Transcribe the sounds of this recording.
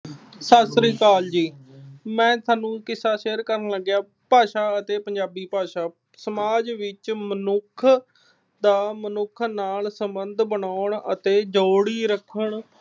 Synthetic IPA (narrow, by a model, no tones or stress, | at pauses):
saːsɾiːk̪aːld͡ʒiːmɛ̃ːt̪aːnũːkɪsaːʃeːəɾkəɾənləɡjaː | paːʃaːət̪eːpəɲd͡ʒaːbiːpaːʃaː | səmaːd͡ʒʋɪt͡ʃmənʊkʰ | d̪aːmənʊkʰnaːlsəmbənd̪bənaːʊɳə̰t̪eːd͡ʒoːɽiːɾəkʰəɳ